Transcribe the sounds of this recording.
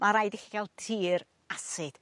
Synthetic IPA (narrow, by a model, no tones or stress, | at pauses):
maɾajdɪxiɡal̚ˠtʰiːɾ | asɨd̥